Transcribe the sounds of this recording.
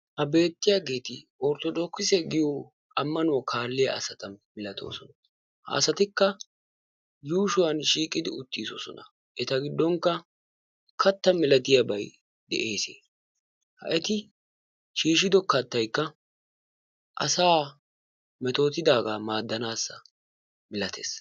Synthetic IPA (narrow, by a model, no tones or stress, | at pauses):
hɐbe̞ːt̪ːɪjaːɡe̞ːt̪ɪɔɾt̪ɔdoːkːɪsɛɡɪjo | ɐmːɐnʊwɐkʰaːlːɪjɐ̰ʔɐsɐt̪ɐmɪlɐt̪ʰo̞̰ːsɔnɐ | hɐ̰ːsɐt̪ɪkːɐ | juːʃʊwɐnʃiːkʼɪd̪ɪʊt̪ːiːso̰ːsɔ̰nɐ | ʔɛt̪ɐɡɪd̪ːɔŋkːɐ | kɐt̪ːɐmɪlɐt̪ɪjɐbɐj | d̪ɛ̰ʔeːsḛː | hɐ̰ʔɛt̪ɪ | ʃiːʃ̬ɪd̪ɔkɐt̪ːɐjkːɐ | ʔɐ̰saː | mɛt̪o̞ːt̪ɪd̪aːɡaːmaːd̪ːɐnaːsːɐ̰ | mɪlɐt̪ʰḛːs